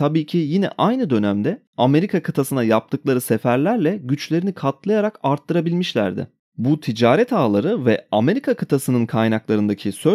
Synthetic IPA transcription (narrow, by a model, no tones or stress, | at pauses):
t̪ʰabiːcʰijinɛ̰ʔajnɯd̪ø̞næmd̪ɛ | ame̞ɾikʰakʰɯt̪ʰasɯnajap̚t̪ʰɯklˠaɾɯsefæɾlʲæɾlʲɛɟyt͡ʃlʲe̞ɾinikʰat̪̚lˠajaɾakaɾt̪ʰːɯɾabilʲmiʃlʲæ̰ɾd̪ɪ̰ | but̪ʰid͡ʒaːɾɛt̪ʰaːlˠaɾɯvɛame̞ɾikʰakʰɯt̪ʰasɯnɯnkʰajnaklˠaɾɯnd̪acʰisø̞